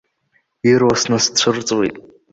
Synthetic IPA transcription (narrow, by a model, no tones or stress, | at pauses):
irwasnast͡ɕʷʰɨrt͡sʼwḭtʼ